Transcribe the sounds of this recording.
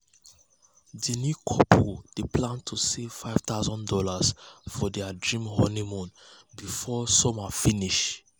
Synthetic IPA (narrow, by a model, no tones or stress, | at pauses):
dinikʰɔpʰod̥eplãntʰusev̥faɪv̥taʊzɔ̃ndɔlasfɔdɛadɹĩmhɔnimɔ̃nbifɔsɔmafiniʃ